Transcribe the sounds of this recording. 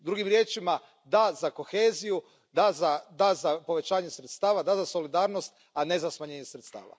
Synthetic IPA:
d̪ɾuɡimɾjeːt͡ʃima | d̪azako̞xeːziju | d̪azad̪azapo̞ʋe̞t͡ʃaːɲe̞sɾet̪st̪aːʋad̪azaso̞lid̪aːɾno̞st̪ | ane̞zasmaɲe̞ːɲesɾet̪st̪a̰ːʋa̰

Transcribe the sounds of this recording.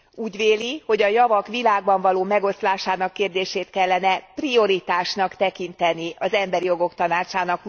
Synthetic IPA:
uːɟveːliho̞ɟɒjɒvɒkʋilaːɡbɒɱvɒloːmɛɡo̞st̪laːʃaːnɒkːeːrd̪eːʃeːt̪kɛlːɛnɛprio̞ɾit̪aːʃnɒkt̪ɛkint̪ɛniʔɒzɛmbɛɾijo̞ɡo̞kt̪ɒnaːt͡ʃaːnɒk

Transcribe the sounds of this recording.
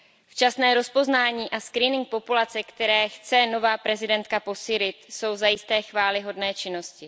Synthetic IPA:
ft͡ʃasnɛːɾo̞spo̞znaːɲiːʔaskɾiːnɪŋk̚po̞pulat͡sɛkt̪ɛɾɛːxt͡sɛno̞vaːpɾɛzɪdɛnt̪kapo̞siːlɪt̪so̞wzajɪst̪ɛːxvaːlɪɦo̞dnɛːt͡ʃɪno̞scɪ

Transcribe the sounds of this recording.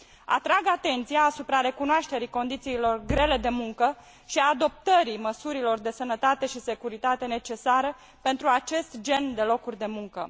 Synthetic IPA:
a̰t̪ɾaɡat̪e̞nt̪sijaːsupɾaɾe̞kunoaʃt̪e̞ɾiko̞nd̪it̪siːlo̞rɡɾe̞le̞d̪e̞muŋkə | ʃiad̪o̞p̚t̪əɾiməsuɾilo̞rd̪e̞sənət̪at̪e̞ʃise̞kuɾit̪at̪e̞ne̞t͡ʃe̞saɾə | pe̞nt̪ɾuat͡ʃe̞st̪d͡ʒe̞nd̪e̞lo̞kurʲd̪e̞muŋkə̰

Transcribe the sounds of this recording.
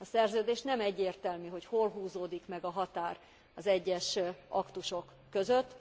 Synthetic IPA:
ɒsɛrzøːd̪eːʃnɛmɛɟːeːrt̪ɛlmyɦo̞cholɦuːzoːd̪ikmɛɡɒɦɒt̪aːr | ɒzɛɟːɛʃɒkt̪uʃo̞kːø̞zøt̪ː

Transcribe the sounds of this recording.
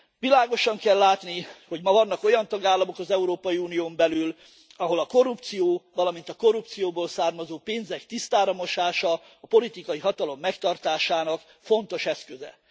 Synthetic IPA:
ʋilaːɡo̞ʃɒŋkɛlːaːt̪niho̞ɟmɒvɒnːɒko̞jɒnt̪ɒɡaːlːɒmo̞kɒzɛuɾoːpɒjiunijoːmbɛlyl | ɒɦo̞lɒko̞rːupt̪sijoːvɒlɒmint̪ɒko̞rup̚t̪sijoːboːlsaːrmɒzoːpeːnzɛkt̪ist̪aːɾɒmo̞ʃaːʃɒː | po̞lit̪ikɒjiɦɒt̪ɒlo̞mːɛkt̪ɒrt̪aːʃaːnɒk | fo̞n̪t̪o̞ʃɛskøzɛ̰

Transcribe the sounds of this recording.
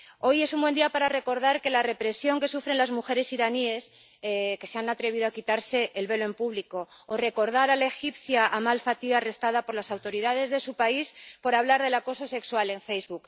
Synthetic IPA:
o̞je̞sumbwe̞nd̪iapaɾare̞ko̞ɾðaɾke̞lare̞pɾe̞sjo̞ŋke̞sufɾe̞nlazmuxe̞ɾe̞siɾanie̞s | ke̞seanat̪ɾe̞β̞iðoakit̪aɾse̞ʔːlβe̞loe̞mpuβliko̞ː | re̞ko̞ɾð̞aɾalae̞xipθjaʔamalfat̪iɣaːre̞st̪að̞apo̞ɾlasawt̪o̞ɾiðað̞e̞zðe̞supaispo̞ɾaβlaɾðe̞lako̞so̞se̞kswale̞ɱfe̞jzβuk

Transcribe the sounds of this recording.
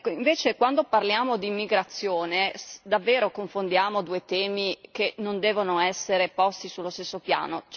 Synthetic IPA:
kːoiɱveːt͡ʃekwand̪oparljaːmod̪imːiɡɾat̪sːjoːned̪avːeːɾokoɱfond̪jaːmod̪uːet̪ɛːmikenond̪ɛːvonoɛsːeɾepɔst̪isulːost̪esːopja̰ːnot͡ʃ

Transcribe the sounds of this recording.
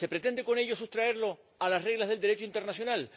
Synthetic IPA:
se̞pɾe̞t̪e̞nd̪e̞ko̞ne̞ʝosust̪ɾaeɾlo̞ | alasre̞ɣlazð̞e̞ld̪eɾe̞t͡ʃoint̪e̞ɾnasjo̞nal

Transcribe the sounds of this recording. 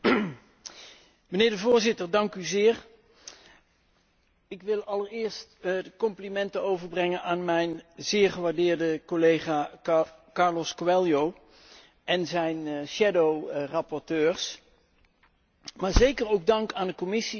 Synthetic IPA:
mənɪːɹdəvʊːɹzɪtəɹdɑŋkyzɪːɹ | ɪkʋɪlˠɑləɹɪːɹstkɔmplimɛntəowvəɹbrɛŋənaːnmɛjnzɪːɹχəʋaːɹdɪːɹdəkolejχaː | kɑɹlɔskwɛljow | ʔɛnzɛjnʃɛdowrɑpɔɹtøːɹs | maːɹzejkərowɡ̚dɑŋkaːndəkɔmɪsi

